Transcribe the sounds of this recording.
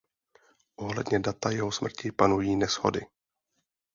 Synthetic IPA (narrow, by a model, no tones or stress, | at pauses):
ʔoɦlɛdɲɛdat̪ajɛɦo̞smr̩cɪpanujiːnɛsho̰dɪ